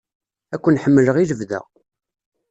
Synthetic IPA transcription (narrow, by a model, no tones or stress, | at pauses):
ækʷːənħəmːələʁiləvðə̰ʁ